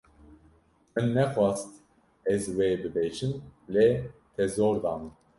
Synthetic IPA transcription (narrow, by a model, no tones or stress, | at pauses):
mɨnːɛxwɑːst̪ | ɛzweːbɨbeːt͡ʃɨmlet̪ʰɛzoːɾd̪ɑːmɨn